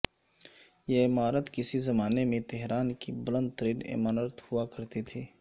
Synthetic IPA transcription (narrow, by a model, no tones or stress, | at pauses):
jeɪmaːɾət̪kɪsizɐmaːnemẽt̪ɛɦɾaːnkibʊlə̃nd̪̚t̪əɾiːnɪ̰maːnət̪hʊakɐɾt̪et̪ʰeː